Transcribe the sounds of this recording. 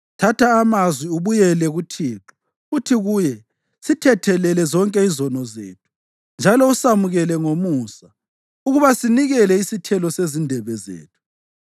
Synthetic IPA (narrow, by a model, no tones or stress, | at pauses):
tʰatʰaːmazwiuβujɛlɛɣutʰiːǁɔ̥ | utʰiɣujɛ | sitʰɛtʰɛlɛlɛzɔŋkʼɛizɔnɔzḛːtʰu̥ | nd͡ʒʱalɔusamuɣɛlɛŋomuːsa | uɣuβasiniɣɛlɛisitʰɛlɔsezindʱɛβɛzḛːtʰu̥